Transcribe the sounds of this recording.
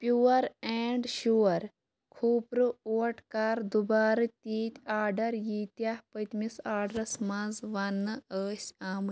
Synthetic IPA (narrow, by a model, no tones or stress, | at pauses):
pjuːɐɾeːɳɖʃuːɐɾ | kʰuːpɾɨoːʈkaːɾd̪ubaːɾɨt̪iːt̪ʲaːɖɐɾjiːt̪jahpɐt̪misaːɖɾɐsmãzʋɐnːɨəːsʲaːm